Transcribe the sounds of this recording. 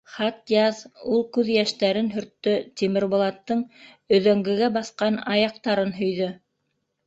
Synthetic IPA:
χɑt̪jɑðulˠkʉðjæʃt̪æɾɘnɦɵ̆ɾt̪ːɵt̪ʲimɘ̆ɾbŏlˠɑt̪ːɤɴ | ɵ̆ðæŋɡɘ̆ɡæbɑθqɑnɑjɑq̚t̪ɑɾɤnɦɵ̆jðɵ

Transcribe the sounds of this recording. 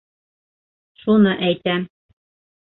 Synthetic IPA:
ʃunɤʔæjt̪æm

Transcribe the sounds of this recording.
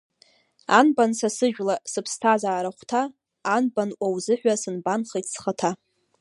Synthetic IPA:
anbansasɨʒᶣʷlasɨpʰstʰazaːɾaχʷtʰaː | nbanʔʷawzɨħᶣʷasɨnbanχejtʰsχatʰa

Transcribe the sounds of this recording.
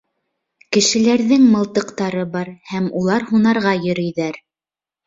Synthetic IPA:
kɘ̆ʃɘ̆læɾðɘŋmɤ̆lˠt̪ɤ̆qt̪ɑɾɤbɑɾhæmulˠɑɾhunɑɾʁɑjɵ̆ɾɵ̆jðæɾ

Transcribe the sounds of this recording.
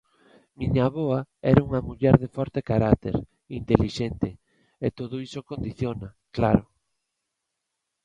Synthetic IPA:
miɲaβoaɛɾauŋamuʎɛɾðefɔɾt̪ekaɾakt̪ḛɾ | int̪eliʃɛnt̪ɪ | et̪oð̞oisokond̪iθjona | klaɾʊ

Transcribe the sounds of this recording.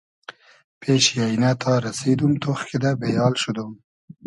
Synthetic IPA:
pʰeʃjɑjnat̪ʰɑɾased̪umt̪oxked̪abejɑːlʃʊd̪um

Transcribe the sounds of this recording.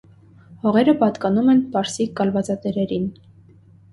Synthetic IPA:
hɔʁɛɾəpɑt̪kɑnumɛnpɑɾsiɡɑlvɑt͡sɑt̪ɛɾɛɾin

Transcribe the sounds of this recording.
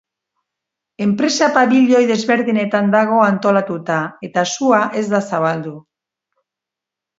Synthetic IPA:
e̞mpɾe̞sapaβiʎo̞jðe̞zβe̞ɾðine̞t̪and̪aɣ̞o̞ant̪o̞lat̪ut̪ae̞t̪asuaʔe̞zd̪asaβald̪u

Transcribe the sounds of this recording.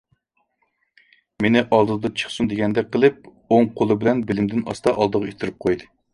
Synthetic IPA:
menɪʔɑlˠd̪ɨd̪ɨt͡ʃʰə̥χsund̪eɡʲɛnd̪ɛk̚ʲqʰəlˠɨp̚ | oŋqʰolˠɨbɪlɛnbɪlɪmd̪ɪnʔɑ̰st̪ɑʔɑlˠd̪əʁɑet̪ʰɪɾɪp̚qʰojd̪ɨ

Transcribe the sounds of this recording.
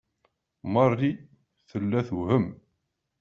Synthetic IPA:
mɑrˤːi | θəlːæθuhəm

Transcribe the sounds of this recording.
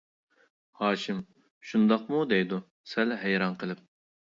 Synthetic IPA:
hɑːʃim | ʃund̪ɑq̚mud̪ɛjd̪u | sɛlɦɛjɾɑnqʰəlˠɪp̚

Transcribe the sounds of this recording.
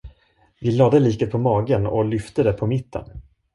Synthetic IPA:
vɪlɑːd̪əliːkət̪̚pʰɔmɑːɡənɔ̰lʏft̪əd̪ɛpʰɔmɪt̪ːə̰n

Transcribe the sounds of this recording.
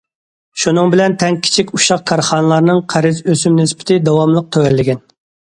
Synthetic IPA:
ʃunɨŋbɪlɛnt̪ʰɛŋkʲʰi̥t͡ʃʰikʲuʃɑq̚kʰɑɾχɑnɨlˠɑɾnɨŋqʰæɾɪzøsymnɪspʰɪ̥t̪ʰɪd̪ɑwɑmlˠəq̚t̪ʰɛwɛlːɪɡʲɛn

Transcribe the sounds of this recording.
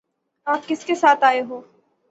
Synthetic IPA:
aːp̚kɪskesaːt̪aːeɦoː

